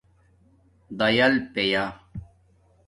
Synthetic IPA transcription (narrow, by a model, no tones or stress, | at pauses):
d̪ɐjɐlpeja